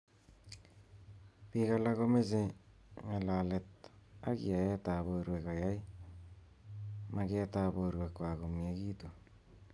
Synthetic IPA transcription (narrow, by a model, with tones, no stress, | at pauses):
βi˦ɣa˨la˦ɣo˦me˦se˦ | ŋa˨la˨le˨t̚a˦ɣḭ˨a˨e˦ta˨βo˨ɾwe˨ka˨ja˦i˦ | ma˦ɣe˦ta˦βo˨ɾwe˨kwa˨ɣo˨mje˦ɣiː˦to˨